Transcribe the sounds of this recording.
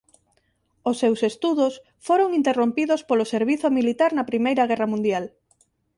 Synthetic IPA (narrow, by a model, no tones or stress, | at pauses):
osːewsest̪uðos | foɾoŋint̪erompiðospoloseɾβ̞iθomilit̪aɾnɐpɾimejɾɐɣɛrɐmũnd̪jal